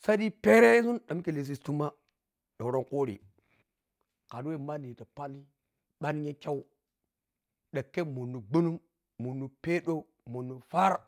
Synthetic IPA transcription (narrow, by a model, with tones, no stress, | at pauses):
sa˦di˦pe˦ɾe˦su˦nɗa˨m˦ki˨le˨s̬i˨stu˦ma˦ | ɗo˨ɾo˦ŋko˦ɾḭ˨ | ka˨dwe˦˨ma˦ni˨ta˨pa˦li˦ | ɓa˦n˦ɲe˦kʲa˦u˦ | ɗa˨kːe˦mu˨nːu˨ɡ͡bu˦nu˦m | mu˨nːu˨pe˦ɗo˦ | mu˨nːu˨fa˦ɾ